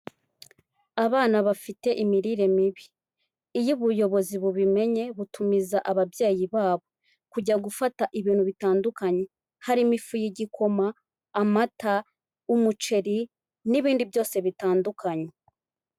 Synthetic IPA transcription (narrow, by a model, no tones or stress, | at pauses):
aβaːnaβafite̞ʔimiɾiːɾe̞miβiː | juβujo̞βo̞ziβuβime̞ɲe̞βutumizaʔaβabjeːjiβaːβo̞ | kuɟaɡufataʔiβiːnhuβitaːndukaɲe̞ | haɾimifujiɟikʰo̞maː | mata | umut͡ʃe̞ɾi | niβiːndibjo̞ːse̞βitaːndukʰaɲe